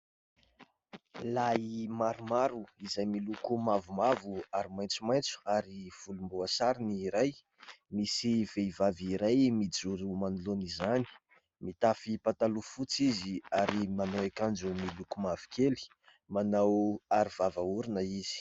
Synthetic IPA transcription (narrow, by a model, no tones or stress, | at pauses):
laimaɾumaɾuizajmilukumavumavuaɾimajnt͡sumajnt͡su̥aɾiv̥ulumbuasaɾiniːɾaj | misivevaviɾajmid͡zuɾumanulonizani̥ | mit̪afipat̪alufut͡siziaɾimanawekand͡ʒumilukumavi̥kʰeli̥ | manawaɾivavauɾinəizi̥